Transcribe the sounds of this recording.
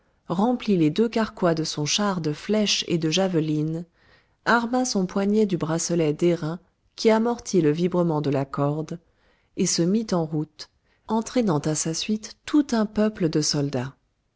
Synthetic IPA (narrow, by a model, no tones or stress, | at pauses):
ʁɑ̃pliled̪økaʁkwad̪əsɔ̃ʃaʁd̪əflɛʃḛd̪əʒavəlin | aʁmasɔ̃pwaɲed̪ybʁasɔlɛd̪eʁɛ̃ | kʲʰiamɔʁt̪ʰiləvibʁəmɑ̃d̪əlakɔʁd̪ | esəmit̪ɑ̃ʁut̪ | ɑ̃t̪χɛnɑ̃t̪asasɥit̪ːut̪ɛ̃pœpləd̪əsɔld̪a